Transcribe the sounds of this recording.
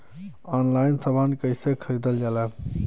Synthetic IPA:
ɔnlaɪnsəbʱənkəɪsekʰəɾid̪əld͡ʒala

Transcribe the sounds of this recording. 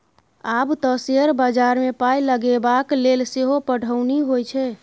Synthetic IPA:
abt̪əsiəɾbad͡ʒaɾmepajləɡebaklelseɦopəɽ̤ʱəʊniɦojt͡ʃʰɛ

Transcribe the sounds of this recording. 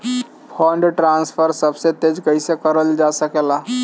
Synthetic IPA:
pʰɔɳɖʈɾanspʰəɾsəbset̪ed͡ʒkəjsekəɾəld͡ʒasəkela

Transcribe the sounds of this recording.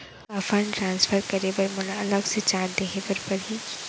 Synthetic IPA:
ɐfəɳʈɾãːnsfəɾkɐɾeʋəɾmʊlaɐləɡset͡ʃaːɾd̪ekʰepəɾpɐɾɦi

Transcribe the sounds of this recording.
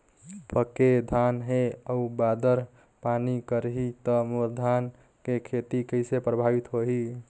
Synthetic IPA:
bəked̪ʱanɦeəubad̪əɾ | panikəɾɦit̪əmoɾd̪ʱan | kekʰet̪ikəjsepɾəbʱabit̪ɦoɦi

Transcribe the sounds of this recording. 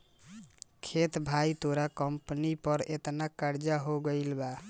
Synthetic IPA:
kʰet̪bʱajt̪oɾakəmpnipəɾet̪nakaɾd͡ʒaɦoɡəjlba

